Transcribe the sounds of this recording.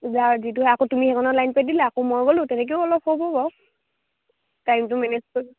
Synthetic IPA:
zaɹzituakotumixɛkɔnɔlajnpɛdilaːkomojɡolʊ̃tɛnɛk̬eʊɔlɔphobɔbɔ | tajmtʊmɛnɛzko

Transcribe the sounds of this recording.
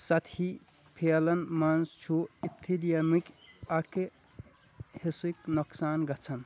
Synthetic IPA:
sɐt̪ʰi | pʰelɐnmanst͡ʃʰuip̚t̪ʰilijɐmikɐke | hisuiknoksaːnɡɐt͡sʰɐn

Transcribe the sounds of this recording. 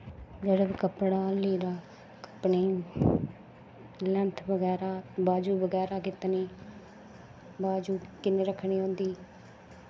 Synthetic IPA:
d͡ʒeːɽəbkəpɽaːliːɾaː | kə̥pɳeː | lɛ̃nt̪ʰbəɡɛːɾaːbaːd͡ʒuːbəɡɛːɾaːkɪt̪neː | baːd͡ʒuːkɪneːɾəkʰːɳ̃iːõːnd̪iː

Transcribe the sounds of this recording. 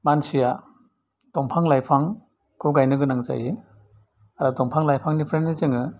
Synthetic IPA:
mansija | d̥ɔmpʰaŋlajpʰaŋ | kʰɯɡajnɯɡɯnaŋza̰jɯ | aɾadɔmpʰaŋlajpʰaŋnipʰɾennizɯŋɯ

